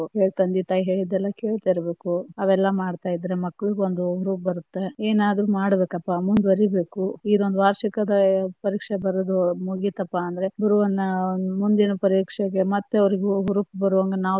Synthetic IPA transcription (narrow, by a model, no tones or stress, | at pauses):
ɦe̞ːɭt̪ɐnd̪it̪aːjiɦe̞ːɭid̪ɛlːɐke̞ːɭt̪aːjiɾɐbe̞ːkuɐʋɛlːɐmaːɖt̪aːjid̪ːɐɾemɐkːɐɭiɡeond̪uuɾupbɐɾut̪ːe̞eːnaːd̪ɾumaːɽɐbe̞ːkɐpːamund̪bɐɾibe̞ːkuid̪ond̪uʋaːɾʂikɐd̪ɐpɐɾiːkʂebɐɾɐd̪umuɡit̪ɐpːaːnd̪ɐɾe̞bɐɾuʋɐnːɐnumund̪inɐpɐɾiːkʂɛɡemɐt̪ːeɐʋɐɾiɡeɦuɾupbɐɾuʋɐŋɡɐnaːʋ